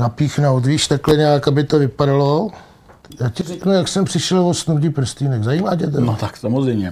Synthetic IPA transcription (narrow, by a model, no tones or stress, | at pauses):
napiːxno̞wt̪viːʃt̪aklɛɲɛjakabɪt̪o̞vɪpadalo̞ | jaːcɪrɛknujaksɛmpr̥ɪʃɛlvost̪nuc̪ipr̩st̪iːnɛxzajiːmaːcɛt̪ɛnot̪aksamozrɛjmɲɛ